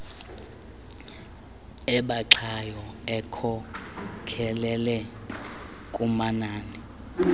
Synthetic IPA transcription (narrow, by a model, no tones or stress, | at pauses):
ɛɓaǁʰajɔɛkʰɔ | kʰɛlɛlɛ | kʼumanaːni